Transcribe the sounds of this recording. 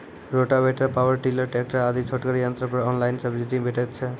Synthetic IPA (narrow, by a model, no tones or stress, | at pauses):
ɾoʈabeʈapawəɾʈiləɾʈek̚ʈɾaad̪it͡ɕʰoʈkaɾijant̪ɾapɔɾɔnlajnsəbd͡ʑiʈibʱeʈet͡ɕʰe